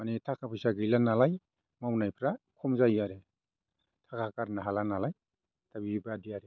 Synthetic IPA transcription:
manitʰakʰapʰɯjsaɡijlanalaj | mawnajpʰɾakʰɔmzajaɾe | tʰakʰakaɾnaɦalanalaj | tabibaadiaɾe

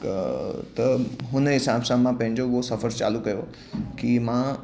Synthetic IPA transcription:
t̪ɐɦʊnɦɪsaːbsãmãpɐ̃ɦɪ̃d͡ʑoosɐfəɾt͡ɕa̰ːlukɐjo | kimã

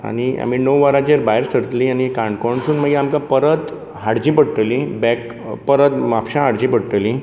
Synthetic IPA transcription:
a̰ɽ̃ia̰minəwʋaɾat͡ɕeɾbajɾsəɾət̪liañikãɳɖkɔɳsuːnməɡiamkãpəɾət̪ | ɦaɽd͡ʑipəɽʈ̪əlibɛk | pəɾət̪mapɕãɦaɽd͡ʑipəɽʈ̪əli

